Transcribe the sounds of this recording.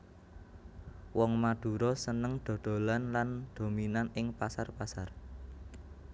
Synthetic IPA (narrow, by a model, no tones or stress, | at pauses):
wɔŋmad̪̥ṳɾɔsənəŋd̪̥o̤d̪̥o̤lanland̪̥o̤minanɪŋpasarpasar